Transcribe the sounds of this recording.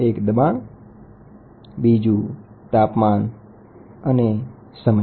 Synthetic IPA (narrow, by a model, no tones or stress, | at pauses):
eːkd̪əɓaːn | biːd͡ʒuː | t̪aːpmaːn | əne | səmə